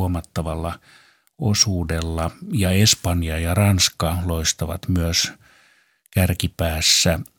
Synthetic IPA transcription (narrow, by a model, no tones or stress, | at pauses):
omɑt̪ːɑʋɑlːɑ | osuːdelːɑjɑespɑnjɑjɑrɑnskɑloist̪ɑʋɑ̰t̪myøs | kærkipæːsːæ